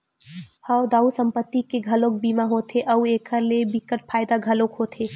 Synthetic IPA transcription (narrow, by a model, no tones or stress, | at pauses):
həʋd̪ausəmpət̪ːikeɡʱəlok̚bimaɦot̪ʰeʔəuekʰəɾlebikəʈ̚pʰajd̪aɡʱəlokɦot̪ʰe